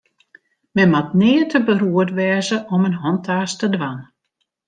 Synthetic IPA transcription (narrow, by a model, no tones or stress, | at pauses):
mɛnmatnɪːətəbəruətʋɛːzəʔɔmənɦɔntʰaːstədʋan